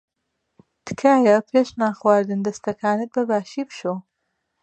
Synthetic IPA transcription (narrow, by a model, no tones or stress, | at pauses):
t̪ɨ̥kʰaːjɐpʰeːʃnaːxwaːɾd̪ɨnd̪ɐst̪ɐkʰaːnɨt̪̚bɐbaːʃiːpʃo